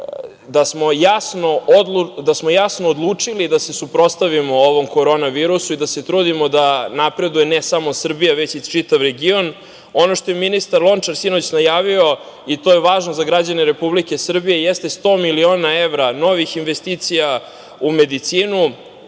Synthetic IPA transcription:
d̪asmo̞jasnooud̪asmo̞jasnoːd̪lˠuːt͡ʂilid̪ase̞supɾo̞st̪aʋimo̞oʋo̞mko̞ɾo̞naʋiːɾusuid̪ase̞t̪ɾuːd̪imo̞d̪anapɾe̞d̪ujenesamo̞sr̩bijaʋe̞t͡ɕit͡ʃit̪aʋɾe̞ɡio̞n | o̞no̞ʃt̪o̞jeminist̪aɾlˠo̞nt͡ʂaɾsino̞t͡ɕnajaːʋio̞ | it̪o̞jeʋaːʒnozaɡɾad͡ʑane̞ɾe̞publike̞sr̩bije̞jest̪e̞st̪o̞ːmilio̞ːnae̞ʋɾano̞ʋixinʋe̞st̪iːt̪sija | ume̞d̪it̪siːnu

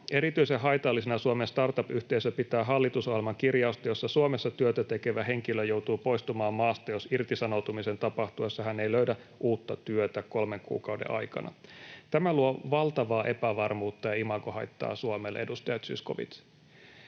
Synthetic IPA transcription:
e̞ɾit̪yiseɦɑjt̪ɑlːisenɑsuomenst̪ɑrt̪ɑpyht̪e̞isøpit̪æːɦɑlːit̪usohilmɑŋkirjɑust̪ɑjosːɑsuomesːɑt̪yøt̪æt̪e̞ke̞ʋæɦe̞ŋk̟iløjouwt̪uːpo̞ist̪umɑːmːɑːst̪ɑjosirt̪isɑnowt̪umisent̪ɑpɑht̪uesːɑɦænejløɥdæ | ʔuːt̪ːɑt̪yøt̪æko̞lmeŋkṵːkɑuwdḛʔɑ̰jkɑ̰nʔɑ̰t̪æmæluoʋɑlt̪ɑʋɑːʔe̞pæʋɑrmuːt̪ːɑjɑimɑkohɑjt̪ːɑ̰ːsuomelʔe̞̰dust̪ɑjɑt̪sy̰skoʋḭt̪

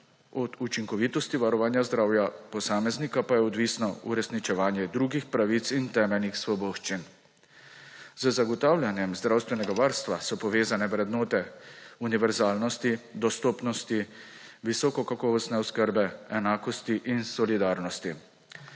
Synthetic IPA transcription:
ɔd̪ut͡ʃiŋkɔʋiːt̪ɔst̪iʋaɾɔʋaːnjazd̪ɾaːwjapɔsaːmɛznikapajɛɔd̪ʋiːsnɔṵɾɛsnit͡ʃɛʋaːnjɛd̪ɾuːɡixpɾaʋit̪sint̪ɛːmɛlnixsʋɔboːʃt͡ʃin | z̥əzaɡɔt̪aːwlʲjanjɛmzd̪ɾaːwst̪ʋɛnɛɡaʋaɾst̪ʋasɔpɔʋeːzanɛʋɾɛd̪nɔːt̪ɛuniʋɛɾzaːlnɔst̪id̪ɔst̪ɔːpnɔst̪i | ʋisɔːkɔkakɔːʋɔst̪nɛɔskəɾbɛɛnaːkɔst̪iʔinsɔlid̪aːɾnɔst̪i

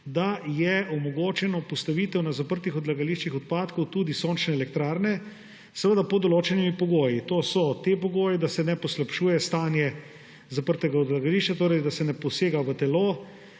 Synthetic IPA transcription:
d̪ajɛɔmɔɡoːt͡ʃɛnɔpɔst̪aʋiːt̪ɛwnazapəɾt̪ixɔd̪laɡaliʃt͡ʃixɔt̪̚paːt̪kɔwt̪uːd̪isoːnt͡ʃnɛːlɛkt̪ɾaːɾnɛ | sɛʋəd̪apɔd̪ɔloːt͡ʃɛnimipɔɡoːjit̪osɔt̪epɔɡoːjɛd̪asɛnɛpɔslapʃuːjɛst̪aːnjɛ | zapəɾt̪ɛɡaɔd̪laɡaliʃt͡ʃat̪oːɾɛjd̪asɛnɛpɔseːɡaʋət̪ɛloː

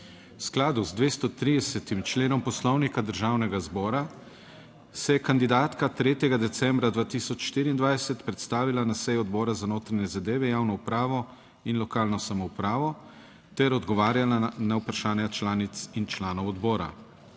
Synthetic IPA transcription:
wsklaːd̪uzd̪ʋeːst̪ɔt̪ɾiːd̪ɛsɛt̪imt͡ʃleːnɔmpɔslɔwnikad̪əɾʒaːwnɛɡazbɔːɾa | sɛjɛkand̪id̪aːt̪kat̪ɾeːt̪jɛɡad̪ɛt̪sɛmbɾad̪ʋaːt̪isɔt͡ʃʃt̪iːɾiːnd̪ʋajsɛt̪pɾɛt̪st̪aːʋilanasɛjuɔd̪bɔːɾazanoːt̪ɾanɲɛzad̪eːʋɛjaːwnɔupɾaːʋɔ | inlɔkaːlnɔsamɔwpɾaːʋɔ | t̪ɛɾɔd̪ɡɔʋaːɾjalanawpɾaʃaːnjat͡ʃlaːnit̪sint͡ʃlaːnɔwɔd̪bɔːɾa̰

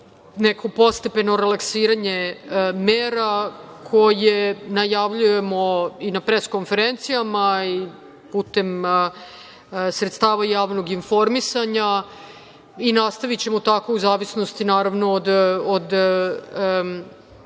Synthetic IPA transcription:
nekʰo̞po̞st̪epe̞no̞ɾelaksiːɾaɲemeːɾakʰo̞jenajaʋʎuje̞mo̞inapɾeskonfe̞ɾent̪sijamai | puːt̪e̞m | sɾet̪st̪aːʋajaːʋno̞ɡinfo̞ɾmisaɲa | inast̪aʋit͡ɕe̞mo̞t̪ako̞uzaːʋisnost̪inaːɾaʋno̞ːd̪od̪

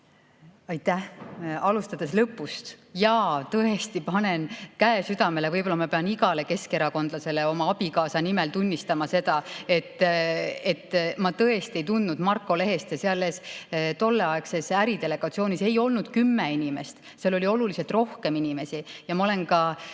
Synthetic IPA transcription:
ɑjt̪ːˑæhɑlust̪ɑd̪̥e̞slɤpːˑust̪jɑt̪ɤest̪ipɑne̞nkæesyd̪ɑme̞le̞vɤjbo̞lːɑmɑpe̞ɑniɡɑle̞ke̞ske̞ɾɑko̞nd̪̥lɑse̞leo̞mɑɑb̥ikɑːsɑnime̞lt̪unʲːist̪ɑmɑse̞d̪̥ɑe̞t̪ːe̞t̪ˑːmɑt̪ɤ̞e̞st̪e̞jt̪und̪nud̪mɑrkːˑo̞le̞ɦe̞st̪jɑseɑlːest̪o̞lːeɑe̞ksesæɾid̪e̞le̞ɡ̥ɑt̪sio̞ːnise̞jo̞lnud̪̥kymːeinime̞st̪ | seɑlːo̞lʲio̞lulise̞lt̪ro̞hke̞minʲime̞sijɑmɑo̞le̞nkɑ

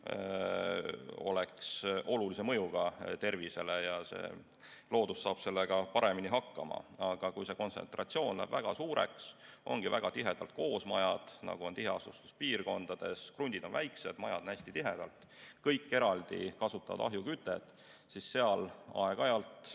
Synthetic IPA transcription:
o̞̰leksʔo̞lulise̞mɤ̞juɡ̥ɑt̪e̞rvise̞le̞jɑse̞̰ː | lo̞ːd̪ussɑːb̥se̞lːeɡ̥ɑpɑɾe̞miniɦɑkːɑmɑ̰ɑɡ̥ɑkujse̞ko̞nse̞̰nt̪rɑt̪sio̞ːnlæ̰ːb̥væɡ̥ɑsuːɾe̞̰ksʔo̞̰ŋɡ̥ivæɡ̥ɑt̪iɦe̞d̪̥ɑlt̪̚ko̞ːsmɑjɑd̪̥nɑ̰ɡ̥uo̞nt̪iɦeɑst̪ust̪u̥spiːrɡo̞nd̪̥ɑd̪̥e̞skrund̪id̪o̞nvæjkse̞̰d̪̥mɑjɑd̪onæsʲt̪it̪iɦe̞d̪̥ɑlt̪ˑ | kɤjkːe̞ɾɑld̪̥ḭkɑsut̪ːˑɑɑ̰d̪̥ɑ̰ɦjukyt̪ːˑed̪̥ | sisːeɑlɑ̰eɡ̥ɑjɑlt̪

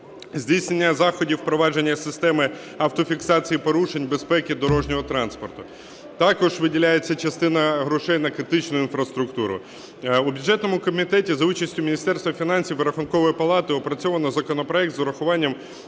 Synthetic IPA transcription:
zʲdʲijsʲne̞nʲːɐzɑxɔdʲiwpɾɔʋɑd͡ʒe̞nʲːɐsɪst̪ɛmɪ | ɐwt̪ɔfʲiksɑt͡sʲijipɔɾuʃenʲbespɛkʲɪd̪ɔɾɔʒnʲɔɦɔt̪ɾɑnspɔrt̪ʊ | t̪ɑkɔʒʋɪdʲilʲajet͡sʲːɐt͡ʃɐst̪ɪnɐɦɾʊʃɛjnɐkɾɪt̪ɪt͡ʃnʊinfɾɐst̪ɾʊkt̪uɾʊ̰ | ubʲjʊdʐɛt̪nɔmʊkɔmʲit̪ɛtʲizɐut͡ʃɐsʲtʲʊmʲinʲist̪ɛrst̪ʋɐfʲinɑnʲsʲiwʋɾɐxʊnkɔʋɔjipɐlˠɑt̪ɪɔpɾɐt͡sʲɔʋɐnɔzɐkɔnɔpɾɔɛk̚t̪zɔɾɐxʊʋɑnʲːɐm

